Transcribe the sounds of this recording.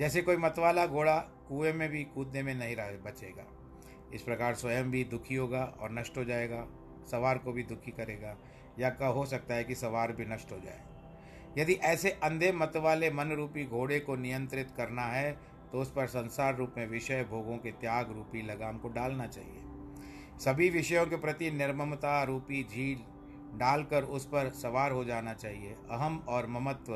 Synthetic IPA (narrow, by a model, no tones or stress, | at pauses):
d͡ʒɛːsekoːimɐt̪ʋaːlaɡʱoːɽa | kuːemẽbʱikuːd̪nemẽnɐɦĩɾɐɦebɐt͡ʃeːɡa̰ː | ɪspɾɐkaːɾswɐjəmbʱid̪ʊkʰiɦoːɡaɔ̰ːɾnɐʃʈɦod͡ʒaːeːɡaː | sɐʋaːɾkobʱid̪ʊkʰikɐɾeːɡaː | jakɐɦosɐk̚t̪aɦɛkisɐʋaːɾbʱinɐʃʈɦod͡ʒa̰ːḛ | jɐd̪iʔɛːseʔɐ̃nd̪ʱemɐt̪ʋaːlemɐnɾuːpiɡʱoːɽekonɪjə̃nt̪ɾɪt̪kɐɾnaɦɛ | t̪oʊspɐɾsɐ̃nsaːɾːuːpmẽʋɪʃəjbʱoːɡõket̪jaːɡɾuːpilɐɡaːmkoɖaːlnat͡ʃa̰ːɦḭḛː | sɐbʱiʋɪʃəjõkepɾɐt̪inɪɾməmt̪aɾuːpid͡ʒʱiːl | ɖaːlkəɾʊspɐɾsɐʋaːɾɦod͡ʒaːnat͡ʃaːɦieɐɦəmɔːɾmɐmət̪ʋə